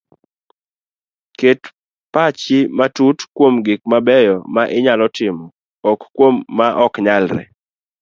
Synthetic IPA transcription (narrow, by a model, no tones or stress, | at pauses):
ket | pat͡ʃɪmatutkwomɡɪk̚mabɛjɔmaʔɪɲalɔtɪmɔ | ɔkkwomːaʔɔkɲalɾɛ̰